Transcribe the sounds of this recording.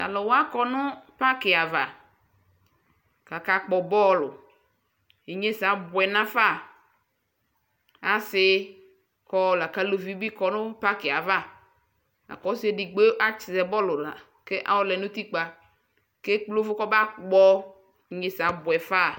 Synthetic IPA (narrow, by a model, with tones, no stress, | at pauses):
a̰˨lɔ˨wa˦kɔ˦nʊ˦pa˦kɪ˨a˨va˨ | ka˨ka˨k͡pɔ˨bɔ˦˨lʊ˨ | e˨ɲe˦sa˨bʊ˨ɛ˨nã˦fa˦˨ | a˨sɪ˦ | kɔ˦˨la˨ka˨lo˨vi˦bi˦kɔ˨nʊ̃˦pa˦kɪ˨a˨va˦˨ | a̰˨kɔ˨˦se˦di˨ɡ͡be˦ʔa˦t͡ʃɪ˨zɛ˨bɔ˦lʊ˨la̰˨ | ke˦ʔa̰˨˦wɔ˦lɛ˨nʊ̃˦t̪i˦k͡pa˨ | ke˦k͡plo˦fʊ˦kɔ˦ba˦k͡pɔ˦ | i˨ɲe˦sa˨bʊ˨ɛ˨fa˦˨